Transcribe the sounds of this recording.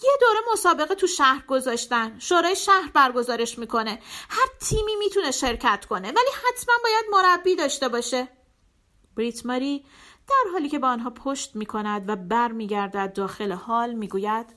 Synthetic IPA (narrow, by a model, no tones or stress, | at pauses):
jed̪oːɾemo̞sɒːbe̞ɣet̪ʰuʃæhɾɡo̞zɒːʃt̪ænʃoːɾɒːjeʃæhɾbæɾɡo̞zɒːɾe̞ʃmiːkʰo̞ne̞hæɾt̪ʰiːmiːmiːt̪ʰuneʃe̞ɾcʰæt̪ʰkʰo̞ne̞væliːhæt̪ʰmænbɒːjæd̪mo̞ɾæbːiːd̪ɒːʃt̪e̞bɒːʃe̞ | b̥ɾit̪ʰmɒɾi | d̪̥æɾɦɒːliːcʰe̞beɒnɦɒːpʰoʃt̪miːkʰo̞næd̪væbæɾmiːɟæɾd̪æd̪̚ːɒːxe̞lehɒːlmiːɡuːjæd̪̥